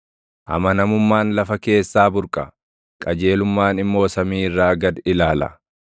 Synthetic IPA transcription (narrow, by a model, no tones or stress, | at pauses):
ʔɐ̰mɐnɐmʊmːaːnlɐfɐke̞ːsːaːbʊɾkʼɐ | kʼɐd͡ʒe̞ːlʊmːaːnɪmːo̞ːsɐmiːɪrːaːɡɐd̪ɪlaːlɐ̰